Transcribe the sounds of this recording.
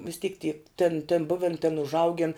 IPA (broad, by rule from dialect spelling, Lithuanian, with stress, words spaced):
ʋʲɪs ˈtʲiːk tʲiː tʲeːn tʲeːn ˈbʊʋʲɛn tʲeːn ʊʒˈɐʊɡʲɪn